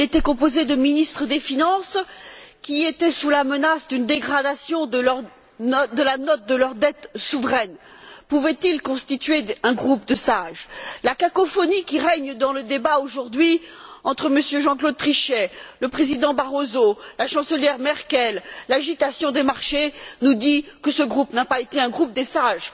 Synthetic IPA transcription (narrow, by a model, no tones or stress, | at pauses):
ilet̪ɛkɔ̃pozed̪əminist̪χəd̪efinɑ̃skʲiet̪ɛsulamənasd̪ynd̪eɡʁad̪asjɔ̃d̪əlʁ | d̪əlanɔt̪̚d̪əlœʁd̪ɛt̪suvʁɛn | puvɛt̪ilkɔ̃st̪it̪ɥeɛ̃ɡʁup̚d̪əsaʒlakakɔfɔnikʲiʁɛɲd̪ɑ̃ləd̪ebaoʒuʁd̪ɥiɑ̃t̪χəməsjøʒɑ̃klod̪̚t̪χiʃɛləpχezid̪ɑ̃baʁozolaʃɑ̃səljɛʁmɛʁkʲɛlːaʒit̪asjɔ̃d̪emaʁʃenud̪ikəsəɡʁupnapaet̪eɛ̃ɡʁup̚d̪esaʒ